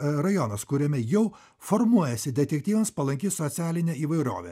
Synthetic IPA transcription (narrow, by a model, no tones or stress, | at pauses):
ɾɐjɔnɐskʊɾʲɛmʲɛjɛʊ | fɔɾmuɔjɛsʲɪd̪ʲɛt̪ʲɛk̚ʲt̪ʲiːʋʲɐmspɐlˠɐŋʲkʲissɔt̪sʲæːlʲɪnʲɛiːʋɐɪɾo̰ːʋʲɛ̰